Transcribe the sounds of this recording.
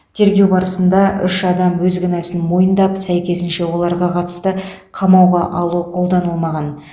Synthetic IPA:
t̪ʰe̞ɾɡʲe̞wbɑɾəsənd̪ɑʔʏʃɑd̪ɑmwɵzɡʲɪnɑsɪnmo̞jənd̪ɑpsæjkʲe̞s̬ɪnʃe̞wo̞lˠɑɾʁɑqʰɑt̪ə̥st̪ə | qʰɑmɑwʁɑʔɑlˠuqʰo̞lˠd̪ɑnəlˠmɑʁɑn

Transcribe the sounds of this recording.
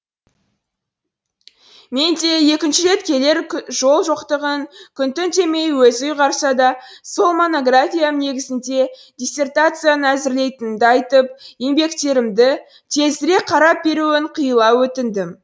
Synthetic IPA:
me̞nd̪e̞je̞kʲɪnʃɪɾe̞t̪kʲe̞le̞ɾʒo̞lˠʒoqt̪əʁəŋkʲʰʏnt̪ɪnt̪e̞me̞jwɵzʊjʁɑɾsɑd̪ɑso̞lˠmo̞no̞ɡrafʲijane̞ɡʲɪzɪnd̪e̞ | d̪ʲisʲe̞rt̪at̪sɨjanəæzɪɾle̞jt̪ɪnɪnd̪ɪɑjt̪əp̚je̞mbe̞kt̪e̞ɾɪmd̪ɪ | t̪ʰe̞zɪɾe̞qʰɑɾɑp̚be̞ɾuwɪɴqʰijəlˠɑwɵt̪ɪnd̪ɪm

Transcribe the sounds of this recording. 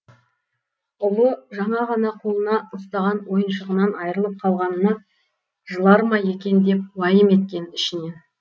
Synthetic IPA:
ʊlˠəʒɑɴɑʁɑnɑqʰo̞lˠənɑʊst̪ɑʁɑnwo̞jənʃəʁənɑnɑjəɾəlˠəp̚qʰɑlˠʁɑnəːɑ | ʒəlˠɑɾmɑje̞kʲe̞nd̪e̞p̚wɑjəme̞t̪̚kʲe̞nɪʃɪne̞n

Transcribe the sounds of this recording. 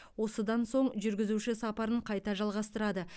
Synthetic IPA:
wo̞səd̪ɑnso̞ɴʒʏɾɡʲɪzuʃɪsɑpɑɾəɴqʰɑjt̪ɑʒɑlˠʁɑst̪əɾɑd̪ə

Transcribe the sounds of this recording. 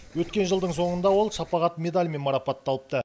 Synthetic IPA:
wɵt̪kʲe̞nʒəlˠd̪əɴso̞ɴənd̪ɑwo̞lˠʃɑpɑʁɑt̪mʲe̞d̪alʲme̞nmɑɾɑpɑt̪ːɑlˠəp̚t̪ə

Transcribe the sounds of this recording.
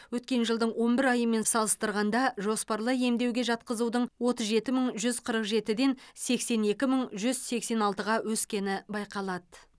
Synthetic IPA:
wɵt̪̚kʲe̞nʒəlˠd̪əɴwo̞nbɪɾɑjəme̞nsɑlˠəst̪əɾʁɑnd̪ɑʒo̞spɑɾlˠəje̞md̪e̞wɡʲe̞ʒɑt̪̚qəzud̪əɴwo̞t̪əzʒe̞t̪ɪməɴʒʏzqʰəɾəqʒe̞t̪ɪd̪e̞nse̞kse̞ne̞kʲɪməɴʒʏz̥se̞kse̞nɑlˠt̪əʁɑwɵskʲe̞nɪbɑjqɑlˠɑd̪ə

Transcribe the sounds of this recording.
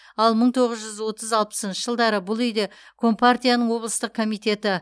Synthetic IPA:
ɑlˠməɴt̪ʰo̞ʁəzʒʏzwo̞t̪əzɑlˠpə̥sənʃəʒəlˠd̪ɑɾəbʊlˠʏjd̪e̞kʰo̞mpart̪ʲijanəɴwo̞blˠəst̪əq̚kʰo̞mijt̪e̞t̪ɪ

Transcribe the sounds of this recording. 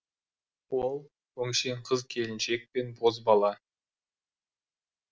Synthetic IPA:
wolˠ | wɵŋʃe̞ɴqʰəzkʲʰe̞lɪnʃe̞k̚pe̞nbozbɑlˠɑ

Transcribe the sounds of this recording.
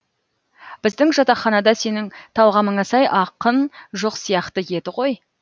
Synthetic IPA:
b̥ɪzd̪ɪŋʒɑt̪ɑχɑnɑd̪ɑse̞nɪŋt̪ʰɑlˠʁɑməɴɑsɑjʔɑqənʒoqsijɑqt̪əje̞d̪ɪʁo̞j

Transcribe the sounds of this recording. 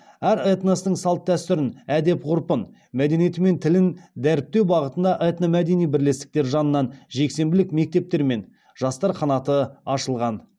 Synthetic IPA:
æɾet̪nost̪əɴsɑlˠt̪ːʰæst̪ʏɾɪnæd̪e̞pqʰʊɾpən | mæd̪enijet̪ɪme̞nt̪ʰɪlɪnd̪æɾɪp̚t̪e̞wbɑʁət̪ənd̪ɑʔet̪nomæd̪e̞nijbɪɾle̞st̪ɪ̥k̚t̪e̞ɾʒɑnənːɑnʒe̞kse̞mbɪlɪkme̞k̚t̪e̞p̚t̪e̞ɾme̞n | ʒ̥ɑst̪ɑɾqʰɑnɑt̪əɑʃəlˠʁɑn

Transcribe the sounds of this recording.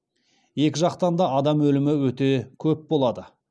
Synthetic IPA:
je̞kʲɪʒɑqt̪ɑnd̪ɑɑd̪ɑmwɵlɪmɪwɵt̪e̞kʲʰɵp̚bo̞lˠɑd̪ə

